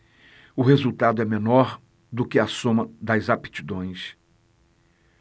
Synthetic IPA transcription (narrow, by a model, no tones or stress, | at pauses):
ʊɦezuwt̪ad̪ʊɛmenɔɾ | d̪ʊkɪasõmɐd̪ɐjzapi̥t͡ʃid̪õj̃s